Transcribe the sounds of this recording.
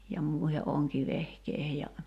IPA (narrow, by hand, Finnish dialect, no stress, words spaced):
jɑ muˑihe ʔoŋkiʋehkeihe jɑ